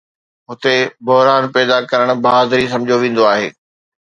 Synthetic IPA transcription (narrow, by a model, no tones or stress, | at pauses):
ɦʊt̪ebʊɦɾaːnpɛːd̪akɐɾəɽ̃bɐaːd̪ɾis̬ɐ̃md͡ʑʱoʋẽːn̆d̪oaːɦḛː